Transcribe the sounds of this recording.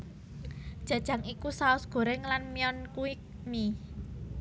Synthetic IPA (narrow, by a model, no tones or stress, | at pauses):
d̥ʒ̥ä̤d̥ʒ̥ä̤ŋikusaʊsɡ̥o̤ɾɛŋlanmiɔnkuik̚ | ni